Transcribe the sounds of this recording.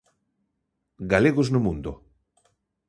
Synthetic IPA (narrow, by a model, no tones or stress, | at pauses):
ɡaleɣoznomũnd̪o